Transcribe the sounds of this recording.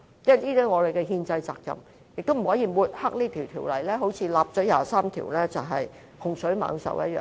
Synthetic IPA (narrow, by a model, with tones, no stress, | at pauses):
t͡sɛː˥liː˥d̪ɛ˥ŋɔː˨˧le˨jkɛ˧ɦiː˧nt͡sɐ˧jt͡sa̰ː˧k̚jɐ̰˨m | jɪ˨k̚t̪o˥m̩˨˩hɔː˨˥jiː˨˧muː˨˧t̚hɐ˥k̚niː˥t̪ʰiː˨˩wt̪ʰiː˨˩wlɐ˨˩jlɛː˥ɦo˨˧˥wt͡sʰiː˨˧laː˨p̚t͡ʃɔː˨˥jaː˨saː˥mt̪ʰḭ˨˩wlɛː˥t͡sɐ˨˩wɦɐ˨j | hʊ˨˩ŋsɵ˨˥ɥma̰ː˨˧ŋsɐ̰˨wjɐ̰˦˥t̚jœ̰ː˨